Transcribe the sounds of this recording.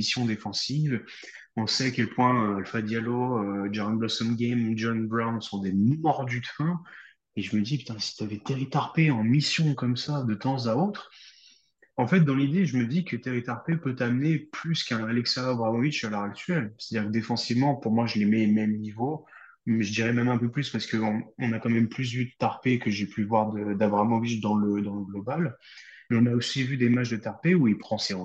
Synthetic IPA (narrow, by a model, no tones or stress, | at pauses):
isjɔ̃d̪efɑ̃siv | ɔ̃sɛakʲɛlpwɛ̃øalfad̪jaloød͡ʒaʁɔ̃nblɔsɔmɡɛmud͡ʒɔnbʁawnsɔ̃d̪emɔʁd̪yt̪fɛ̃ | eʒəməd̪ipy̥t̪ɛ̃si̥t̪yavɛt̪eʁit̪aʁpeɑ̃misjɔ̃kɔmsad̪ət̪ɑ̃zaot̪χ | ɑ̃fɛt̪̚d̪ɑ̃lid̪eʒəməd̪ikət̪eʁit̪aʁpepøt̪amneplyskɛ̃alɛksaɔbʁavomiʃalœʁakt̪ɥɥɛlst̪ad̪iːʁkəd̪efɑ̃sivmɑ̃puʁmwaʒəlemɛmɛmnivo | mɛʒəd̪iʁɛmɛmɛ̃pøplyspaʁsə̥kəɔ̃ɔ̃nakɑ̃mɛmplys̬vyd̪ət̪aʁpekəʒepyvwaʁd̪əd̪avwaʁmɑ̃vitd̪ɑ̃ləd̪ɑ̃ləɡlɔbal | mɛɔ̃naosivyd̪emaʒd̪ət̪aʁpeuilpχɑ̃seʁu